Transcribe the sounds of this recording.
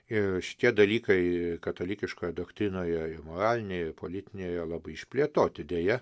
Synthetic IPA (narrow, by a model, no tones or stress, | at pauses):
ɪrʃʲɪ̥t̪ʲiɛd̪ɐlʲiːkɐɪkɐt̪oːlʲɪkʲɪʃkoːjɛd̪oːkt̪ʲɾʲɪnoːjɛɪmoːɾɑːlʲɪnʲeːjɛɪpoːlʲɪt̪ʲɪnʲeːjjɛlˠɑːbɐɪɪʃʲpʲlʲiɛt̪oːt̪ʲɪd̪ʲeːjɛ